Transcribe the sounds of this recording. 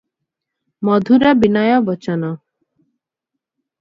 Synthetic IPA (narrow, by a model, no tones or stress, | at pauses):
mɔd̪ʱuɾabinɔjɔbɔt͡ʃɔnɔ